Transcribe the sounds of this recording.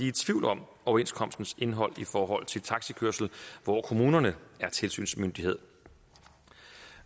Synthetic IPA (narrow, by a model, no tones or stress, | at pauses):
it͡sʰʋiʊlɒ̽mʔɒʊɐe̝nskʰɒ̽m̰sd̥n̩se̝nɦɒ̽l̰ifɒːɦɒ̽l̰t͡sʰe̝lt͡sʰɑ̈ɡ̥sikʰøɐsl̩ʋɒkʰo̝muːnɐnəæɐt͡sʰe̝lsy̰ːnsmønd̥ihe̝ð̰ˠ